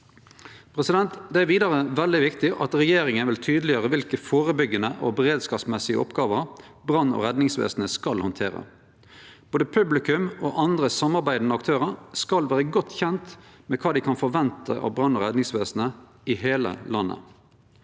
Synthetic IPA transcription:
pʰʁɛsɪd̪ɛnt̪d̪ɛæʋiːd̪ɑʁəʋɛld̪ɪʋɪkt̪ɪʔɑt̪ʁɛjeːɾɪŋənʋɪlt̪ʰyːd̪əlɪjøːɾəʋɪlkəfoːʁəbʏɡənəʔɔbɛʁeːd̪skɑːpsmɛsɪə̰ɔpɡɑːʋəʁ | bʁɑnːɔ̰ʁɛd̪nɪŋsʋḛːsnəskɑlhɔnt̪ʰeːʁə̰ | b̥oːd̪əpʰʉblɪkʉmɔːʔɑnd̪ʁəsɑmːɑʁbæɪd̪n̩əɑkt̪ʰøːʁəskɑlʋæːʁəɡɔt̪ːçɛnt̪mɛkʰɑːd̪ɪkʰɑnfɔʋɛnt̪ʰəʔɑ̰tbʁɑnːɔʁɛd̪nɪŋsʋeːsnə | ɪɦeːlə̰lɑnːə̰

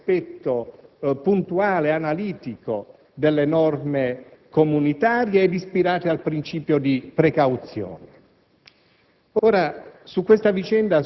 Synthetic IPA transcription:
spɛt̪ːopunt̪uaːleanaliːt̪iko | d̪elːenɔrmekomunit̪aːɾjeɛd̪ispiɾaːt̪ealpɾint͡ʃiːpjod̪ipɾekawt̪sjo̰ːne | oːɾasukːwest̪avit͡ʃɛnd̪a

